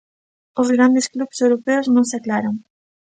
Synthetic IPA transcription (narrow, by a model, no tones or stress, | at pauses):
ʊzɣɾand̪eskluβsewɾopɛwznõŋsaklaɾaŋ